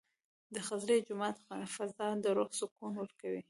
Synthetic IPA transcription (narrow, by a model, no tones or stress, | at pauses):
d̪əxazɾed͡ʒʊmɑt̪fazɑd̪əɾoxsʊkunwəɾkawi